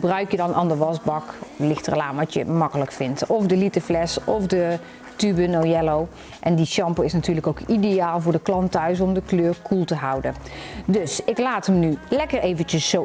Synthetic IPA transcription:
brœɥkjədɑnʔa̰ːndəʋɑsbɑklɪxtrə̰laːmʋɑtjə̰mɑkələkfɪntɔfdəlitəflɛsɔfdə | tybənowjɛlow | ʔɛndiʃɑmpəɪsnatyːɹləkowkidejaːlˠvʊːɹdəklɑntœɥs̬ɔmdəkløːɹkʰulˠtəɦɑwdəndɵsɪklaːtəmnylɛkərejvənt͡ʃəsːo

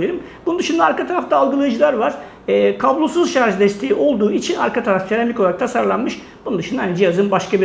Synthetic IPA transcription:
eɾɯm | b̥unund̪ɯʃund̪aːɾkat̪ʰaɾaft̪ʰaːlˠɡɯlˠajɯd͡ʒɯlˠaɾvaɾ̥ | ɛːkʰablˠosuzʃaɾʒd̪ɛst̪ʰejiʔo̞lˠd̪uːit͡ʃʰina̰ɾkʰat̪ʰaɾafkʰeɾamlʲikʰoaɾakt̪ʰasaɾlˠanmɯʃ | b̥unund̪ɯʃund̪and͡ʒijazɯnbaʃkabi

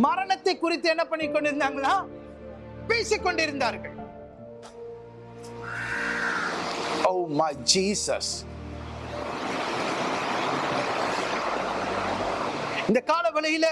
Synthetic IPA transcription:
mɐɾɐɳɐt̪ːɐɪkːʊɾɪt̪ːɯɛnːɐpːɐɳːɪkːɔɳɖɪɾɯnd̪aːŋɡɐnːaː | peːsɪkːɔɳɖɪɾɯnd̪aːɾɯɣɐɭ | oʊmad͡ʒiːsɐ̰s | ɪnd̪ɐkaːlɐʋɐlɐjɪlɐ

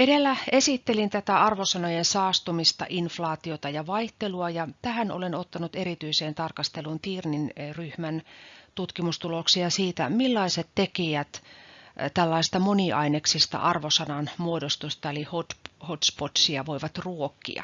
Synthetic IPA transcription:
edelːæesit̪ːelint̪æt̪æɑrʋosɑnojensɑːst̪umist̪ɑ̰ʔinflɑːt̪iot̪ɑjɑʋɑiht̪eluɑjɑt̪æhæno̰lenot̪ːɑnut̪eɾit̪yiseːnt̪ɑrkɑst̪elunt̪iːrninryhmænt̪ut̪kimust̪uloksiɑsiːt̪æ̰milːɑiset̪tekijæt̪ | t̪ælːɑist̪ɑmoniʔɑineksist̪ɑ̰ʔɑrʋosɑnɑnmuodost̪ust̪ɑelihot̪hot̪spot̪siɑʋoiʋɑt̪ruokːḭɑ̰

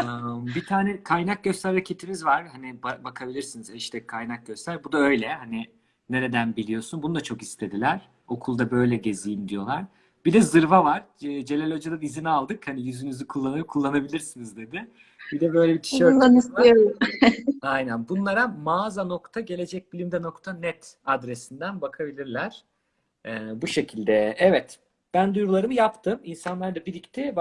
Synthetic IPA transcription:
ɯmbit̪ʰaːnɛkʰajnak̚ɟøst̪æɾːacʰe̞t̪ʰimizvaɾ̥hanibabakʰabilʲiɾsinizɛʃt̪ʰɛkʰːajnak̚ɟøst̪ʰæɾbud̪aø̞jlʲɛhani | ne̞ɾe̞d̪ænbilʲijo̞sunbunud̪at͡ʃʰo̞kist̪ʰe̞d̪ilʲæɾ̥ | o̞kʰulˠd̪abø̞jlʲɛɟe̞zijimd̪ijo̞̰lˠaɾ̥ | b̥id̪ɛzɯɾvavaɾ̥ːd͡ʒe̞lʲelʲod͡ʒad̪ad̪izinalˠd̪ɯkhanijyzynyzykʰulˠːanɯkʰulˠːanabilʲiɾsinizd̪e̞d̪ɪ | b̥id̪ɛbø̞jlʲebit̪ʰi̥ʃøanist̪ijoɾum | ajnænbunlˠaɾamaːzano̞kt̪ʰaɟe̞lʲe̞d͡ʒɛc̚bilʲimd̪ɛno̞kt̪ʰanɛt̪ | ad̪ɾe̞sind̪ænbakʰabilʲiɾlʲæɾ̥ | ɛːbuʃe̞cʰilʲd̪ɛɛvɛt̪ | b̥ænd̪ujɾulˠaɾɯmɯjapt̪ʰɯminsanlˠaɾd̪abiɾict̪ʰɛb

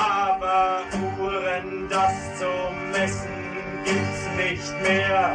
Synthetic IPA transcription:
ʔaːbɐʁuːʁən | dast͡sou | mɛsn̩ | ɡiːp̚tsnɪçtmeːɐ

